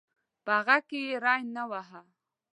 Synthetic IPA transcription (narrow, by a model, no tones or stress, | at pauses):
b̥aɣakejeɾɑjnawaɦa